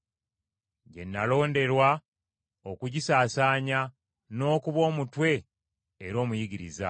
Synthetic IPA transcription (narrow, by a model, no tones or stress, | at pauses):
ɟe̞̰nːalo̞ːnde̞ɾwa | o̞kuɟisaːsaːɲa | no̞ːkuβo̞ːmutwe̞ː | ɾo̞ːmujiɡiɾḭza̰